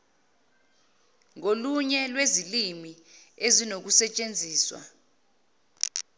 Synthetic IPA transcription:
ŋoluɲɛlwezilimi | ezinok̬usɛt͡ʃʼend͡zʱiːswa̰

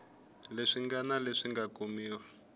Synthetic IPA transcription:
leʂiŋɡanaleʂiŋɡakomiːwa

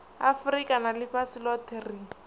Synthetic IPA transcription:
afʊrikʼanalɪfasɪlɔtʰeri

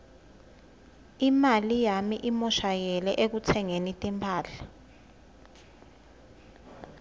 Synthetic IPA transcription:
imalijamiʔimɔʃajɛlɛʔek̬ut͡sʰɛŋenitʼimpʰaːɬḁ

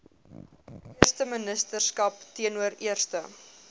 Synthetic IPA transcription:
iərstəmənəstərskɐptiənuəɾiərstə

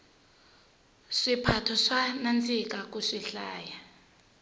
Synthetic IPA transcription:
ʂipʰatʰɔʂanant͡sʰʼik̬ʼak̬ʼuʂiɬaːja

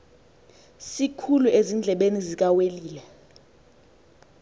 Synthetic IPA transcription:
sikʰuluezind͡ɮʱɛɓenizik̬ʼaweliːlɛ

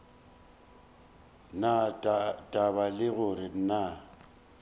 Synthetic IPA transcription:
natʼabalɪɣʊɾɪn̩na

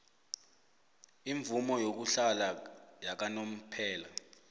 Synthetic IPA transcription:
iɱvumɔjok̬uɬalajak̬anom̩pʰɛːla

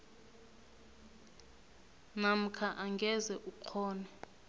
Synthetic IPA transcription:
nam̩kʰaʔaŋɡʱɛzɛʔukʰɔːnɛ

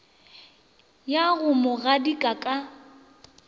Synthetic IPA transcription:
jaɣʊmɔɣadikʼakʼa

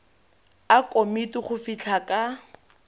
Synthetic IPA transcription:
akʼomitʊχʊfit͡ɬʰakʼa

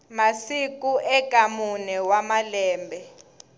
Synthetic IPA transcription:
masik̬ʼuʔɛkʼamunɛwamalɛːmbʱɛ

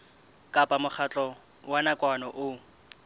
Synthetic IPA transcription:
kʼapʼamʊχʰat͡ɬʼɔ | wanakʼwanɔʔʊ

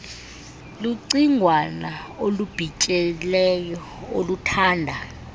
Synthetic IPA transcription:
luǀiŋʱwanaolub̥ʱit͡ʃʼɛlɛjɔ | olutʰaːndʱa

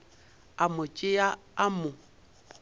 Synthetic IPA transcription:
amʊt͡ʃʼɪjaamʊ

